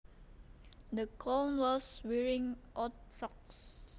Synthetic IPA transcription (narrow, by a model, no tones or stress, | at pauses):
d̪əkʰɔnwɔswɛɹĩŋʔɔtsɔks